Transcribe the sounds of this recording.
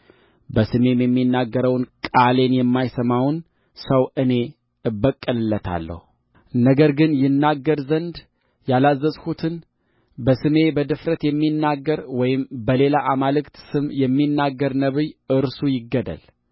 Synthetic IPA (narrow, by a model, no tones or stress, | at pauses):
bəsɨme̞mjɛmːinːaɡːəɾəwnkʼale̞njɛmːajsəmawn | səwɨne̞ | ɨbːəkʼːɨlɨlːət̪ʰa̰lːə̰hu | nəɡəɾɡɨnjɪnːaɡːəɾzənd̪ | jalazːəzhut̪ʰɨn | bəsɨme̞bəd̪ɨfɾət̪jɛmːinːaɡːəɾwɔjɪmbəle̞laʔamalɨkt̪sɨmjɛmːinːaɡːəɾnəβɨjɨɾsujɪɡːəd̪ə̰l